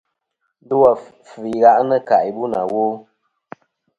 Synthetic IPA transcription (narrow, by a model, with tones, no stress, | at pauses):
dɨ˦wa˨ | fɨ˨i˨ɣa˦ʔnə˦ka˨i˨bu˦na̰˨woː˦